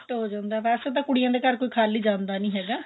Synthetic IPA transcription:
ʈːɦoːd͡ʒãːnd̪aːpɛːset̪̬ãːkʊɽijãːd̪eːkəɾkoːiːkʰaːliːd͡ʒãːnd̪aːnĩːɦɛːɡaː

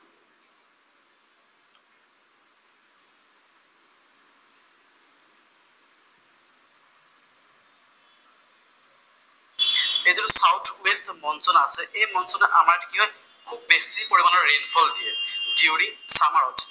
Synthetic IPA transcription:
ezisawtʰwestmɔnsɔnaasɛʔejmɔnsɔnɛʔamaɹtʰi̥kiɦɔj | kʰub̚ːesipoɹibalɔɹːenfʰɔldiediwɽisamaɹɔtʰ

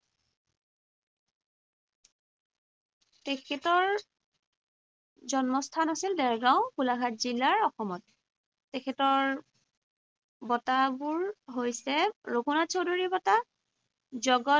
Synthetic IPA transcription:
tekʰɛtɔɹ | zɔnmɔstʰanasildɛɹɡɹaw̃kulaɡʱatzilːaɹɔxɔmɔt̚ː | ekʰɛtɔɹ | bɔtabuɹɦojsɛɹokunatsoduɹibɔta | zɔɡɔ

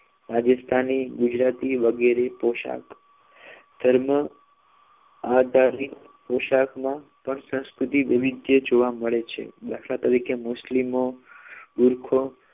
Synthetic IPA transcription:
ɾad͡ʒəst̪ʰaniɡʊd͡ʒɾat̪iʋəɡeɾepoʃa̰k | d̪ʱəɾmə | ad̪ʱaɾit̪ | poʃakmã | pəɳsə̃w̃skɾut̪iʋiʋid̪jəd͡ʒoʋaməɭet͡ʃʰḛbakʰlat̪əɾikemʊslimobuɾkʰo

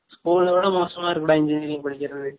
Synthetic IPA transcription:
skuːlɐʋɐːɽɐmoːsɐmaːɪɾɯkːɐɽãːɪɲd͡ʒɪnɪɾɪŋɐpɐɽɪkʲːɪɾɐðɯ

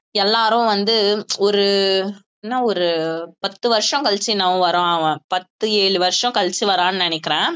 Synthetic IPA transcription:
ɛlːaːɾɐʊ̃ʋɐnd̪ɯɔɾɯ | ɛnːaːɔɾɯpɐt̪ːɯʋɐɾʂɔ̃kɐlt͡ʃːinaːʋɐ̃ʋɐɾõːaːʋɐ̃pɐt̪ːɯeːɭɯʋɐɾʂɔ̃kɐlt͡ʃːiʋɐɾãːnɯnɐnɪkːɪɾẽː

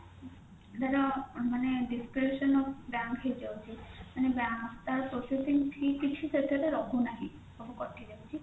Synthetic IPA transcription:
d̪aɾamaneɖiskɾeʃɔnɔfbaŋkɦejd͡ʒawt͡ʃʰimanebaŋkt̪aɾpɾosesiŋʈʰikit͡ɕʰuset̪ʰeɾeɾɔɦunaɦi | ɔbokɔɾʈːiɾawt͡ʃʰi

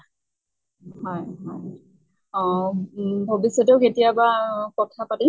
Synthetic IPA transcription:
hɔjɦɔj | ɔ | bʱobisjɔtɔʊketijabapɔtʰːapati

